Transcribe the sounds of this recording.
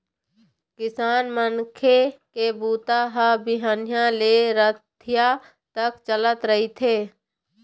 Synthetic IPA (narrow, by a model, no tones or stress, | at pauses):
kɪsaːnmənkʰekebuːt̪aɦəbɪɦənjãleɾət̪ʰja | t̪əkt͡ʃələt̪ɾəɦit̪ʰeː